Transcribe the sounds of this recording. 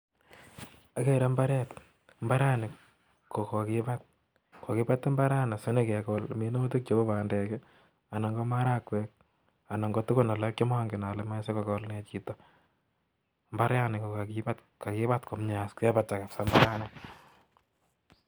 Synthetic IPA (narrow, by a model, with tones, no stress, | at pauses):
a˦keɾa˦mba˦ɾɛt | mba˦ɾa˦nɪ˨ | ko˨ko˨kipa˦t̚ | ko˨kɪ˦pa˦tːe˦mba˦ɾa˦na˨sʊ˦ne˦kɛ˨kɔlme˦no˦tu˦k̚t͡ʃo˦ko˦βaː˨ndɛ˨kɛ˦ | a˨na˨ŋɡɔ˦ma˦ɾa˦kwɛ˦k̚ | a˨na˨ŋɡɔ˦tu˦ko˦na˨lɔ˦kɔ˦ma˦ŋɡɪ˨na˨le˨ma˦se˦kokɔlne˨t͡ʃi˦tɔ | mba˦ɾja˦nɪko˨ka˨kiba˦t | ka˨kɪ˦ba˦tko˨mɲaskɛ˦ba˦ta˨ka˨fsa˦mba˦ɾa˦na